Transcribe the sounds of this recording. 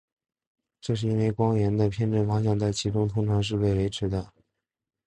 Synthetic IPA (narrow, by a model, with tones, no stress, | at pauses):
ʈ͡ʂɤ˥˧ʂ̬ɻ̩˥˧i˥nwe˧˥ɪkwɑ˥ŋɥɛ˧˥nd̪ə˧pʰjɛ˥˧nʈ͡ʂə˥˩nfɑ˥ŋɕjɑ˥˧ŋt͡sa˥˩ɪt͡ɕʰi˧˥ʈ͡ʂʊ˥ŋt̪ʰʊ˥ŋt̪ʰa˧˥ŋʂ̬ɻ̩˥˧pe˥˩ɪwe˧˥ɪʈ͡ʂʰɻ̩˧˥d̪ə˧